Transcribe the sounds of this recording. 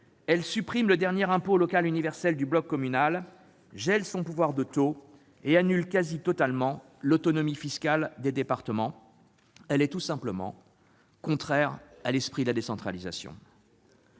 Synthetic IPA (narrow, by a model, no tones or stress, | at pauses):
ɛlsypχimləd̪ɛʁnjɛʁɛ̃polɔkalynivɛʁsɛld̪yblɔkːɔmynal | ʒɛlsɔ̃puvwaʁd̪ət̪o | eanylkazit̪ɔt̪almɑ̃ | lot̪ɔnɔmifiskʲald̪ed̪epaʁt̪əmɑ̃ | ɛlɛt̪usɛ̃pləmɑ̰̃ | kɔ̃t̪χɛʁalɛspχid̪əlad̪esɑ̃t̪χaliza̰sjɔ̰̃